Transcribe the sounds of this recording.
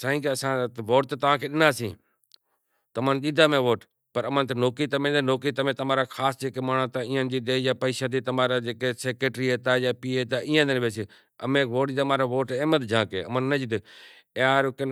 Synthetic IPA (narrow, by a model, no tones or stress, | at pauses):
saːĩːkeːəsãːʋoːʈ̚t̪ːt̪əʋ̤ãːkʰeːɗɪnaːsĩː | t̪əmãːnɗiːd̪aːmẽːʋoːʈ | pəɾəmãːnt̪enoːkiːt̪əmẽːd̪enoːkiːt̪əmẽːt̪əmaːɾaːkʰaːsd͡ʒeːkeːmaːɳãːt̪aːĩːə̃nd͡ʒiːd̪eːjaːpəiːʃãːt̪iːt̪əmaːɾaːd͡ʒeːkeːseːkeːʈɾiːɦeːt̪aːjaːpiːeːt̪aːʔĩːãːd̪enʋeːsĩː | ə̰mẽːʋoːʈid̪maːɾaːʋoːʈeːmət̪d͡ʒãːkḛːəmanːəd͡ʒd̪ | eaːɾʊken